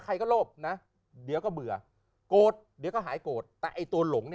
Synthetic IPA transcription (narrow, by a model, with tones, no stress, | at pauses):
kʰa˧jkɔː˥˩loː˥˩p̚na˦˥ | di˨˩˦wkɔː˥˩bɯ˨˩ɐ | koː˨˩t̪̚di˨˦wkɔː˥˩ɦaː˩˦jkoː˨˩t̪̚ːɛː˨˩ʔa˧jt̪u˧ɐlo˩˦ŋni˥˩